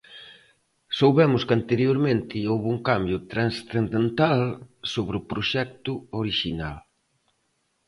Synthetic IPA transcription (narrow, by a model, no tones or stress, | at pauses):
sowβɛmʊskant̪eɾjoɾmẽnt̪ɪowβuŋkambjʊt̪ɾasθend̪ent̪alsoβɾɪʊpɾoʃɛk̚t̪ʊoɾiʃina̰l